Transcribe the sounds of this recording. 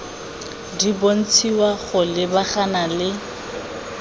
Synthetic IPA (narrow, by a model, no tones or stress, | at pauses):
dibon̩t͡sʰiwaɣʊlɪbaχanalɪ